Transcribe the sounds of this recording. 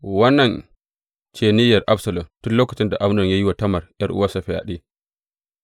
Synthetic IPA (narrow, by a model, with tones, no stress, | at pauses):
wɐ˦nːɐ˨n | t͡ʃeː˨nɪ˦jɐ˨rʔa˦bsɐ˨lɔ˨mtʊ˦loː˦kɐ˨t͡ʃɪ˦nda˨ʔa˦m˦nɔ˨ɲja˦jɪ˦wa˨tɐ˦mɐ˨rjɐ˦rʔʊ˦waː˦sa˨ɸɪ˨ja̰˨ɗeː˦